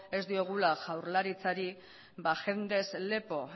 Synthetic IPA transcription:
e̞zd̪io̞ɣ̞ulaʝawɾlaɾit͡saɾi | baʝe̞nd̪e̞sle̞po̞

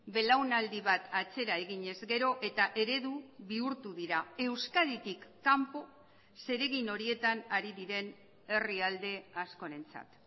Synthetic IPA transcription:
be̞lawnald̪iβat̪at͡se̞ɾae̞ɣiɲe̞zɡe̞ɾo̞ʔe̞t̪aʔe̞ɾe̞ðuβiuɾt̪uðiɾae̞wskaðit̪ikːampo̞ | se̞ɾe̞ɣino̞ɾie̞t̪anaɾiðiɾen | e̞riald̪e̞asko̞ɾe̞nt͡sa̰t̪

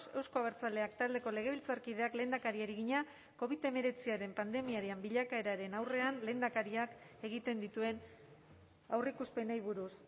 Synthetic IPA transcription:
se̞wsko̞aβeɾt͡sald̪e̞akt̪ald̪e̞ko̞le̞ɣ̞e̞βilt͡saɾkið̞e̞akle̞ːnd̪akaɾiaɾiɣiɲa | ko̞β̞it̪e̞me̞ɾe̞t͡siaɾe̞mpand̪e̞miaɾiambiʎakae̞ɾaɾe̞nawre̞anle̞ːnd̪akaɾiak | e̞ɣ̞it̪e̞nd̪it̪ue̞n | awrikuspe̞nejβ̞uɾus

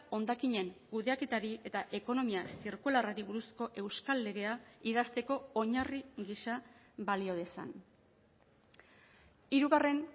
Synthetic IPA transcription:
o̞nd̪akiɲe̞ŋkuðe̞ake̞t̪aɾie̞t̪aʔe̞ko̞no̞miasiɾkularaɾiβuɾusko̞ʔe̞wskalːe̞ɣe̞aiðast̪e̞ko̞oɲariɣisa | βalio̞ð̞e̞sa̰n | iɾuɣare̞n

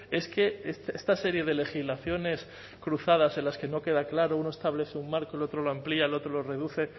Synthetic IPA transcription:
e̞ske̞est̪est̪ase̞ɾje̞ð̞e̞le̞xizlaθjo̞ne̞s | kɾuθað̞ase̞nlaske̞no̞ke̞ð̞aklaɾounoest̪aβle̞θeummaɾkoelo̞t̪ɾo̞loamplialo̞t̪ɾolo̞re̞ðuθe̞

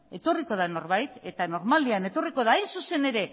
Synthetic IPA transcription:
e̞t̪o̞riko̞ð̞ano̞ɾβajt̪e̞t̪ano̞ɾmald̪iane̞t̪o̞riko̞ð̞aːjnsuse̞ne̞ɾe̞

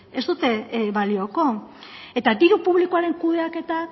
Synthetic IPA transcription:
e̞st̪ut̪e̞βalio̞ko̞ | e̞t̪ad̪iɾupuβ̞likoaɾe̞ŋkuð̞e̞ake̞t̪a

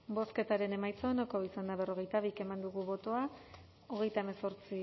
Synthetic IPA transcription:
bo̞ske̞t̪aɾe̞ne̞majt͡soenakoisand̪aβ̞e̞ro̞ɣe̞jt̪aβ̞ike̞mand̪uɣ̞uβo̞t̪o̞a | oɣ̞e̞jt̪aeme̞so̞ɾt͡si

